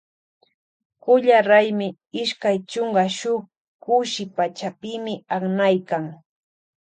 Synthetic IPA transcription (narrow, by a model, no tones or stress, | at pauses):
kʊʎaɾajmɪ | ɪʃkajt͡ʃoɴɢɑʃʊχ | kʊʃɪpat͡ʃapɪmɪaχnajkaŋ